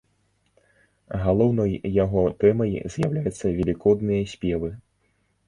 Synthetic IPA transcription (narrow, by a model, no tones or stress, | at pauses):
ɣalˠɔwnɔjːaɣɔt̪ɛmɐjzʲjawlʲajut̪sːɐvʲɛlʲikɔd̪nɨjɐsʲpʲɛvɨ